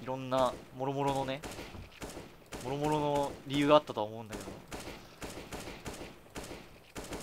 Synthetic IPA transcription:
iɾõ̞nːamo̞ɾomo̞ɾo̞no̞ne̞ | mo̞ɾo̞mo̞ɾo̞noɾʲijɯ̟ːɡaːt̪ːat̪oaomo̞ɯ̟̃nd̪ake̞d̪o

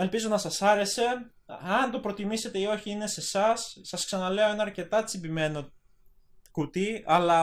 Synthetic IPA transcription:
elpizo̞nɐsɐsɐɾe̞se̞ | ɐnt̪o̞pɾot̪imise̞t̪e̞io̞çiine̞se̞sɐsːɐsksɐnɐle̞o̞e̞nɐːɾce̞t̪ɐt͡sibime̞no̞ | kut̪iɐlɐ

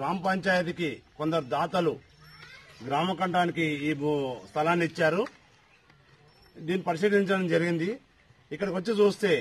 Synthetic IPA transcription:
ɾaːmɐpɐɲt͡ʃaːjɐt̪̬ikikond̪ɐɾud̪aːt̪ɐlu | ɡɾaːmɐkɐɳʈaːnikiimust̪ʰɐlaːnːiit͡ʃːaːɾu | d̪iːnːipɐɾiʃiːʈiɲt͡ʃɐɽɐmd͡ʒɐɾiɡind̪i | ikːɐɽɐkʋɐt͡ʃːit͡ʃuːst̪e̞ː

